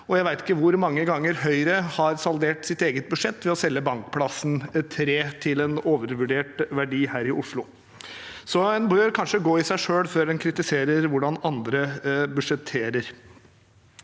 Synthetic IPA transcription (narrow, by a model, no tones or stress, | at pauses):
ɔjæɪʋæɪt̪ɪ̥kːəʋʊɾmɑŋːəɡɑŋːəɾhœʏɾəhɑɾsɑld̪eːʈsɪt̪eːɡət̪̚bʉʂɛt̪ːʋɛɔsɛlːəbɑŋkpʰlɑsn̩t̪ʰɾeːt̪ʰɪlɛnoːʋəɾʋʉɖeːʈʋæɖiːhæːɾɪʔʊʂlʊ | sɔɛnbøːɾkʰɑnʂəɡoːɪsæɪʂøːlføːɾd̪ɛnkʰɾɪt̪ɪseːɾəɾʋʊɖɑnɑnd̪ɾəbʉʂɛt̪ʰːeːɾəɾ